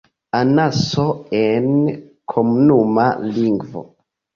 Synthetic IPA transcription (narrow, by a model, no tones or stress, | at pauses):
anasoen | kʰomunuma̰liŋɡvo̰